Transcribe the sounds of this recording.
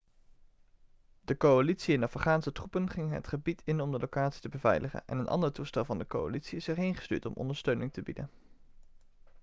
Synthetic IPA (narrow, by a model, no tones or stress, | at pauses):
dəkowalitsiɪnɑfχaːnsətrupənχɪŋɦə̰tχəbitʰɪnɔmdəlowkaːtsi̥təbəvɛ̰jləχə̰nʔɛ̰nənʔɑ̰ndəɹtustɛlˠvɑndəko̰wa̰litsiɪsɛɹɦejnχə̥sty̰ːɹtɔ̰mʔɔ̰ndəɹstøɥnɪŋtəbidə̰n